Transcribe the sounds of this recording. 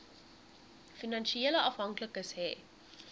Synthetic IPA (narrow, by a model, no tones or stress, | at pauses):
finɐnʃieːləʔɐfɦɐŋkləkəsɦɛː